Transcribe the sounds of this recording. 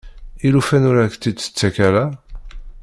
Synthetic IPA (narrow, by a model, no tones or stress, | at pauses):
ilufænʊɾækt̪ːid̪t͡sə̥t͡sːækæɾa